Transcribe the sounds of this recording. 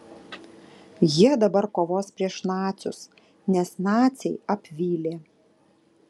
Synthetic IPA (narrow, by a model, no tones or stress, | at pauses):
jiɛd̪ɐbɐɾkoːʋoːspʲɾʲiɛʃnɑːt̪sʲʊs | nʲɛsnɑːt̪sʲɛɪɐpʲʋʲiːlʲeː